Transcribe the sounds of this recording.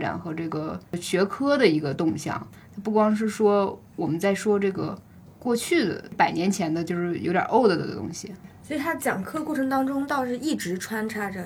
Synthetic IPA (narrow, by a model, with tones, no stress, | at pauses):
ʈ͡ʂa̰˨˩nxɤ˧˥ʈ͡ʂɤ˥˩ɡə˩ɕɥɛ˧˥kʰɤ˥d̪ə˨i˧˥ɡə˧t̪ʊ˥˧ŋɕjɑ̰˥˩˦ŋ | t̪ʰa˥pu˥˩kwɑ˥ŋʂ̬ɻ̩˥˩ʂwɔ˥ | wɔ˨˩mə˦nt͡sa˥˩ɪʂwɔ˥ʈ͡ʂɤ˥˩ɡə̰˩ | kwɔ˥˧t͡ɕʰy˥˩d̪ə̰˩pa˨˩ɪnjɛ˧˥nt͡ɕʰjɛ˧˥nd̪ə˧t͡ɕjo˥˧ʊʂɻ̩˥˩jo˧˥ʊt̪ʲjɑ̰˨˩ʔo˥˩ʊd̪ə˨˩d̪ə̰˧˩ə̰˧t̪ʊ̰˥ŋɕi˩swi˨˩t̪ʰa˥t͡ɕjɑ˨˩ŋkʰɤ˥˧kwɔ˥˩ʈ͡ʂʰɤ˧˥ŋt̪ɑ˥ŋʈ͡ʂʊ˥ŋt̪ɑ˥˧ʊʂɻ̩˥˧i˥˩ʈ͡ʂɻ̩˧˥ʈ͡ʂʰwa˥nʈ͡ʂʰa˥ʈ͡ʂə˨